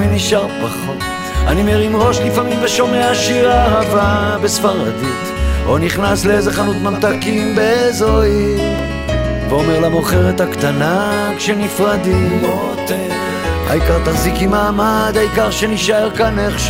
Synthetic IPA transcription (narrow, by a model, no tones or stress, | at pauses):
miniʃaʁpaχo̞t̪ | a̰nimeʁimʁo̞ʃlifamimveʃo̞meaʃiʁaːɦavabesfaʁad̪it̪ | o̰niχnasleezeχanut̪mamt̪akimbeezoi | veomeʁlamoχeʁet̪akt̪anakʃenifʁad̪imo | t̪ | ha̰ikaʁt̪aχzikimaːmad̪haikaʁʃeniʃaeʁkaneχʃ